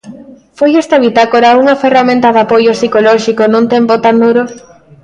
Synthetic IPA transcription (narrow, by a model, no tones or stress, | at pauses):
fojest̪aβit̪akoɾauŋɐferamẽnt̪ɐðapojosikoloʃikonũŋt̪empot̪and̪uɾo